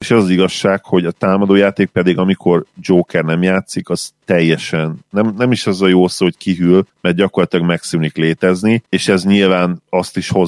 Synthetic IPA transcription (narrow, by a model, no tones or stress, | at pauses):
eʃɛzɒziɡɒʃːaːkho̞ɟɒt̪aːmɒd̪oːjaːt̪eːk̚pɛd̪iɡɒmikʰo̞rd͡ʒoːkɛrnɛmjaːt̪sikɒz̥t̪ɛjːɛʃɛnːɛmnɛmiʃɛzɒjoːlsoːockiɦylmɛrd̪ɟɒkorlɒt̪ilɒɡmɛksyːnikleːt̪ɛznieːʃɛzɲilvaːnɒst̪iʃho̞